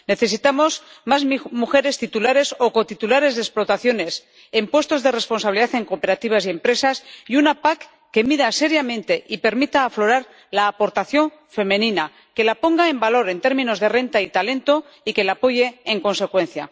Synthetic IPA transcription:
ne̞θe̞sit̪amo̞smazmuxe̞ɾe̞st̪it̪ulaɾe̞so̞ko̞t̪it̪ulaɾe̞zðesplo̞t̪aθjo̞ne̞s | e̞mpwe̞st̪o̞zðe̞re̞spo̞nsaβiliðaθe̞ŋko̞pe̞ɾat̪iβ̞asie̞mpɾe̞sasiunapakː | e̞miðase̞ɾjamẽnt̪e̞ʔipe̞ɾmit̪aːflo̞ɾaɾ | laːpo̞ɾt̪aθjo̞ɱ | fe̞mẽ̞nĩna | ke̞lapo̞ŋɡaembalo̞ɾe̞nt̪e̞ɾmĩno̞zðe̞re̞nt̪ait̪ale̞nt̪o̞ | ike̞lapo̞ʝe̞ːŋko̞nse̞kwe̞nθja

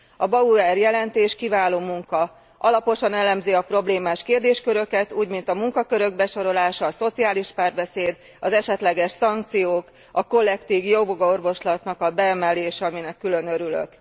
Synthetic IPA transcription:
ɒbɒuɛrjɛlɛnt̪eːʃkivaːloːmuŋkɒ | ʔɒlɒpo̞ʃɒnɛlɛmziɒpro̞bleːmaːʃkeːrd̪eːʃkøɾø̞kɛt̪uːɟmint̪ɒmuŋkɒkø̞ɾø̞ɡ̚bɛʃo̞ɾo̞laːʃɒːso̞t̪siaːliʃpaːrbɛseːd̪ | ɒzɛʃɛt̪lɛɡɛʃsɒŋk̚t̪sijoːk | ɒko̞lːɛkt̪iːvjo̞ɡvoɡɒorvo̞ʃlɒt̪nɒkɒbɛːmɛleːʃɛɒminɛkːylø̞nø̞ɾylø̰k

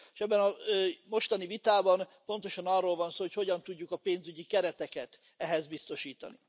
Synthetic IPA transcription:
ʃɛbːɛnɒmo̞ʃt̪ɒnivit̪aːbɒnpo̞nt̪o̞ʃɒnɒrːoːlvɒnsoːɦo̞cho̞ɟɒnt̪uɟːukɒpeːnzyɟikɛɾɛt̪ɛkɛt̪ | ɛɦɛzbist̪o̞ʃiːt̪ɒ̰nḭ

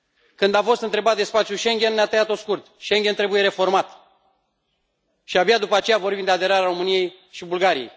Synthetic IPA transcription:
kɨnd̪afo̞st̪ɨnt̪ɾe̞bat̪̚d̪e̞spat̪sjuʃe̞ŋɡʲe̞nneat̪əjat̪o̞skurt̪ʃe̞ŋɡʲent̪ɾe̞buje̞ɾe̞fo̞rmat̪ | ʃiabjad̪upəat͡ʃe̞javo̞ɾbimd̪ead̪e̞ɾaɾeaɾomɨnije̞j | ʃibulɡaɾije̞̰j

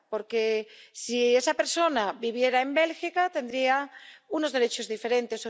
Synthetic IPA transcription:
po̞ɾkesiesape̞ɾso̞naβiβ̞je̞ɾaembe̞lxikat̪e̞nd̪ɾiauno̞zðe̞ɾe̞t͡ʃo̞zðife̞ɾe̞nt̪e̞so

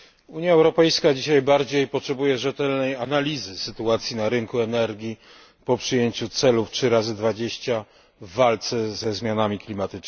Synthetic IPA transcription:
uɲjaɛwɾɔpɛjskad͡ʑiɕajbaɾd͡ʑejpɔtʂɛbujɛʐɛt̪ɛlnɛjanalʲizɘsɘt̪uat̪sʲjinaɾɘŋkuɛnɛɾɡʲji | pɔpʂɘjeɲt͡ɕut̪sɛluftʂɘɾazɘd̪vad͡ʑeɕt͡ɕa | vːalt̪sɛzɛzmʲjanamʲiklʲimat̪ɘt͡ʂ

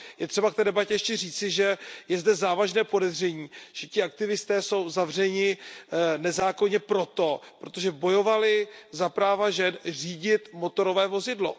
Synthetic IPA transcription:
jɛt̪r̥ɛbakt̪ɛːdɛbacɛjɛʃcɛr̝iːt͡sɪʒɛjɛzdɛzaːvaʒnɛːpo̞dɛzr̝ɛɲiːʒ̥ɛcɪak̚t̪ɪvɪst̪ɛːso̞wzavr̝ɛɲɪ | nɛzaːko̞ɲɛpɾo̞t̪o̞pɾo̞t̪oʒɛbo̞jo̞valɪzapɾaːvaʒɛnr̝iːɟɪt̪mo̞t̪o̞ɾovɛːvo̞zɪdlo̞̰

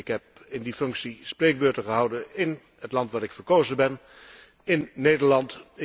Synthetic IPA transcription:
ɪkɦɛp̚ɪndifɵŋksisprejk̚bøːɹtəχəɦʌwdənɪn | ɦətlɑntʋɑtɪkfəɹkowzəbɛn | ɪnːejdəɹlɑntɪ

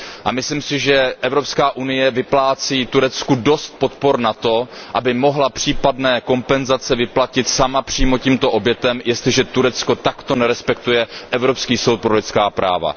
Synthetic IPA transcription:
ʔa̰mɪslimsɪʒɛʔɛvɾo̞pskaːʔunɪjɛvɪplaːt͡siːt̪uɾɛt͡skudo̞st̪̚po̞t̪poɾnat̪o̞ʔabɪmo̞ɦlapr̝̥iːpadnɛːko̞mpɛnzat͡sɛvɪplacɪt̪samapr̝̥iːmo̞ciːmt̪oʔobjɛt̪ɛmjɛst̪lɪʒɛt̪uɾɛt͡sko̞t̪akt̪onɛɾɛspɛk̚t̪ujɛʔɛvɾo̞pskiːsowt̪̚pɾo̞lɪt͡skaːpɾa̰ːva̰

